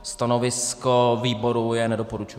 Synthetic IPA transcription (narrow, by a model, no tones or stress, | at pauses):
st̪anovɪskoviːbo̞ɾujɛnɛdopoɾut͡ʃu